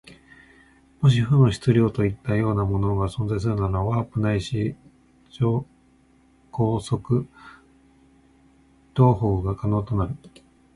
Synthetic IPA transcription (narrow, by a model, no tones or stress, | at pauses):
mo̞ɕ̬iɸɯ̟noɕi̥t͡sɨɾʲo̞ːt̪o̞it̪ːajo̞ːnamo̞no̞ɡasõ̞nzais̬ɨɾɯ̟naɾoaβaːpɯ̟naiɕi | d͡ʑoː | ko̞ːso̞kɯ̟ | t̪o̞ːɦo̞ːɡakano̞ːt̪o̞naɾɯ̟